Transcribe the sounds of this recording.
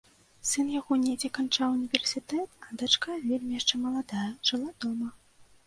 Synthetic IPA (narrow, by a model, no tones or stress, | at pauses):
sɨnjaɣɔnʲed͡zʲɛkant͡ʂawunʲivʲɛrsʲit̪ɛt̪ɐd̪at͡ʂkajɐvʲelʲmʲijaʂt͡ʂɛmɐlˠad̪ajɐʐ̥ɨlˠad̪ɔmɐ